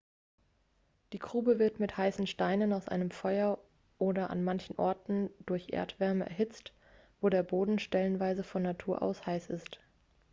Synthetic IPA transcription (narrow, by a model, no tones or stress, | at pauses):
d̥iːɡʁ̥uːbəvɪɐtmɪthaɪsn̩ʃtaɪnənaʊsʔa̰ɪnəmfɔʏɐ | ʔoːdɐʔa̰nmançn̩ʔɔ̰ɐtn̩dʊɐçʔḛːɐtv̥ɛɐməʔɛ̰ɐɦɪt͡st | v̥oːɾeːɐboːdn̩ʃtɛlənvaɪzəfɔnːatʰuːɐʔa̰ʊshaɪsɪ̰st